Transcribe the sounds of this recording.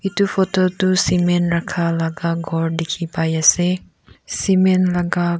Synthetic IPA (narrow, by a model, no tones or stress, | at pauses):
itupʰɔtɔtusimenɾakʰalaɡaɡʱɔɹdikʰipajase | simɛnlaɡa